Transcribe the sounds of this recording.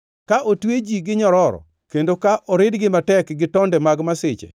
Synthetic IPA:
kaʔotwed͡ʒiɡɪɲɔɾɔɾɔ̰ | kendokaʔɔɾɪdɡɪmatɛkɡɪtɔndɛmaɡmasɪt͡ʃḛ

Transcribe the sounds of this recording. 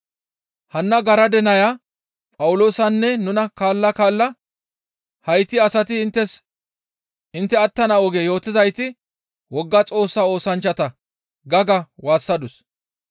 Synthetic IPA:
hɐnːɐɡɐɾɐd̪ɛnɐja | pʼɐwʊlo̞ːsɐnːɛnʊnɐkaːlːɐkaːlːɐ | hɐjt̪ːɪɐsɐt̪ɪːnt̪ːɛs | ʔɪnt̪ːɛɐt̪ːɐnɐɔɡeːjo̞ːt̪ɪzɐjt̪ɪ | wɔɡːɐt͡sʼo̞ːsːɐo̞ːsɐnt͡ʃːɐt̪ɐ | ɡɐɡɐwaːsːɐd̪ʊs

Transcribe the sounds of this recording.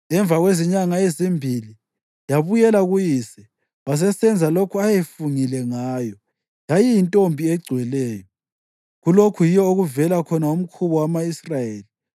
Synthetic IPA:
ɛɱb̪vʱaɣweziɲaŋaezimbʱili | jaβujɛlaɣujisɛ | βas̬ɛsɛnd͡zʱalokʰuajefuŋilɛŋaːjɔ | jajijintʼombʱiɛɡ͡ǀʱwɛlɛːjɔ | ɣulokʰujijɔoɣuvɛlakʰɔnaum̩kʰuβɔwamaisrajeːli

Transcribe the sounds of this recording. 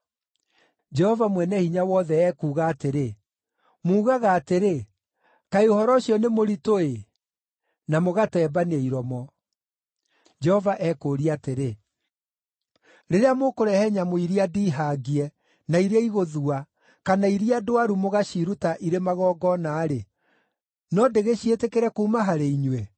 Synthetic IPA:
d͡ʒɛhɔvamwɛnɛhiɲawɔðɛːkuːɣaːteɾe | muːɣaɣaːteɾe | kaeohɔɾɔɕiɔnemoɾitoe | namoɣatɛːbaneiɾɔmɔ | d͡ʒɛhɔvaʔɛkoɾiateɾe | ɾeɾeamokoɾɛhɛɲamoiɾiadiːɦaɡiɛ | naiɾeaiɣoðua | kanaiɾiadoaɾumoɣaɕiɾutaʔiɾemaɣɔːɡɔnaːɾe | nɔdeɣeɕietekeɾɛkuːmaɦaɾeiɲwɛ

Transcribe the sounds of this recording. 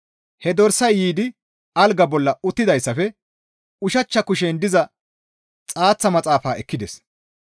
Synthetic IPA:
hɛd̪ɔɾsɐjːiːd̪ɪ | ɐlɡɐbɔlːɐʊt̪ːɪd̪ɐjsːɐfɛ | ʊʃɐt͡ʃːɐkʊʃeːnd̪ɪzɐ | t͡sʼaːt͡sːɐmɐt͡sʼaːfaːɛkːɪd̪ɛs

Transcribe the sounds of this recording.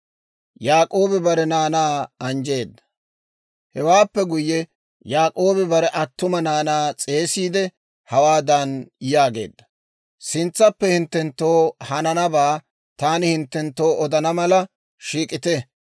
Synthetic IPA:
jaːkʼoːbɪbɐɾɛnaːnaːɐnd͡ʒe̞ːd̪ːɐ̥ | hɛwaːpːɛɡʊjːɛ | jaːkʼo̞ːbɪbɐɾɛʔɐt̪ːʊmɐnaːnaːt͡sʼe̞ːsiːd̪ɛ | hɐwaːd̪ɐnjaːɡe̞̰ːd̪ːɐ̥ | sɪnt͡sːɐpːɛhɪnt̪ːɛnt̪ːo̞ːhɐnɐnɐbaː | t̪aːnɪhɪnt̪ːɛnt̪ːo̞ːʔɔd̪ɐnɐmɐlɐ | ʃiːkʼɪt̪ɛ

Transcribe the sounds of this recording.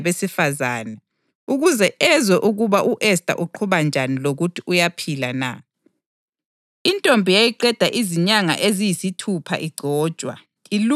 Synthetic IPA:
βesifazaːnɛ | uɣuzɛʔɛzɔʔuɣuβaʔuʔɛs̬tʼa̰ʔuǃʰuβand͡ʒʱaniloɣutʰiujapʰilana̰ | intʼombʱijajiǃɛd̥ʱaʔiziɲaŋa̰ʔezijisitʰupʰa̰ʔiɡ͡ǀʱɔ̥ːt͡ʃʼwa̰ | ilu

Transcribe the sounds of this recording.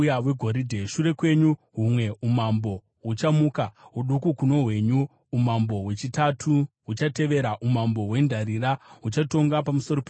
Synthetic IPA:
jaʋeɡʱo̞ɾidʱeʃure̞kwe̞ɲu | ɦumwe̞umambo̞ | ɦut͡ʃamuːkaɦuɗukukuno̞ɦwe̞ɲu | umambo̞ɦwe̞t͡ʃitatʰuɦut͡ʃate̞ʋe̞ɾaʔumambo̞ɦwe̞ndʱaɾiraɦut͡ʃato̞ŋɡapamuso̞ɾope

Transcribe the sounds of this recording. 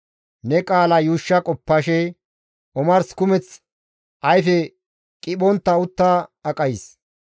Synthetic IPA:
nɛkʼaːlɐjuːʃːɐkʼɔpːɐʃɛ | ʔɔmɐɾskʊmɛt͡s | ʔɐjfɛ | kʼɪɓɔnt̪ːɐʊt̪ːaɐkʼɐjɪs

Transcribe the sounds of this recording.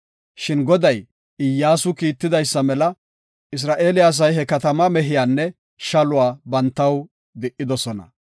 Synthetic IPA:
ʃɪnɡɔd̪ɐj | ɪjːaːsʊkiːt̪ːɪd̪ɐjsːɐmɛlɐ | ɪs̬ɾaːʔe̞ːlɪjaːs̬ɐjhɛkɐt̪ɐmɐmɛɦɪjaːnːɛ | ʃɐlʊwaːbɐnt̪ːɐw | d̪ɪʔɪd̪ɔsɔnɐ̰

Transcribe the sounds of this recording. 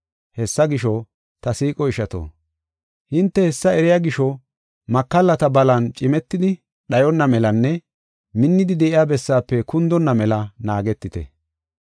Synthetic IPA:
hɛsːɐɡɪʃɔ | t̪ɐsiːkʼɔɪʃɐt̪o̰ː | hɪnt̪ːɛhɛsːɐɛɾɪjaːɡɪʃɔ | mɐkːɐlːɐt̪ɐbɐlɐnt͡ʃʼɪmɛt̪ːɪd̪ɪ | ɗɐjɔnːɐmɛlɐnːɛ | mɪnːɪd̪ɪd̪ɛʔɪjaːbɛsːaːpːɛkʊnd̪ɔnːɐmɛlɐnaːɡɛt̪ːɪt̪ɛ̰

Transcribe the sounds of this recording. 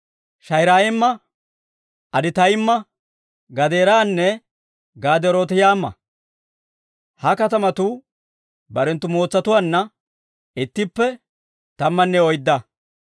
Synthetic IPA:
ʃɐjɾaːjɪmːɐ | ɐd̪ɪt̪ɐjɪmːɐ | ɡɐd̪e̞ːɾaːnːɛ | ɡaːd̪ɛɾoːt̪ɪjaːmːɐ̰ | hɐkɐt̪ɐmɐt̪ʊ | bɐɾɛnt̪ːʊmo̞ːt͡sːɐt̪ʊwaːnːɐ | ɪt̪ːɪpːɛ | t̪ɐmːɐnːɛɔjd̪ːɐ

